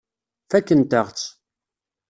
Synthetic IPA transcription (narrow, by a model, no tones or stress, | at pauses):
fækːənt̪əʁt͡sː